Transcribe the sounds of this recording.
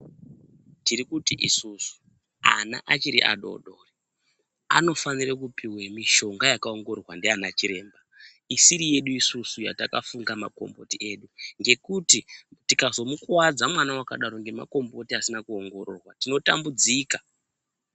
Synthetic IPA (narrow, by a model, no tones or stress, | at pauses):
tiɾikutiʔisusu̥ | a̰na̰ʔat͡ʃiɾiʔa̰ɗo̞̰ɗo̞ːri | a̰no̞fanirakupiwemiʃo̞ŋɡajakaoŋɡo̞rwandeanat͡ʃiɾe̞ːmba | isiɾije̞ɗuisusuja̰takafuŋɡama̰ko̞̰mbo̞tie̞ːɗuŋɡe̞kutitikazo̞mukwad͡zamwanawakaɗaɾo̞ŋɡe̞ma̰ko̞mbo̞tiasinakuoŋɡo̞ɾo̞ːrwatino̞tambud͡ziːkḁ